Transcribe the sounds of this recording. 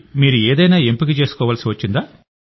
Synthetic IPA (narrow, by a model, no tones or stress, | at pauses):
miːɾuɛːd̪ɐjnaːempik̬it͡ʃe̞ːsu̥kɔːʋaːlsiʋɐt͡ʃːind̪aː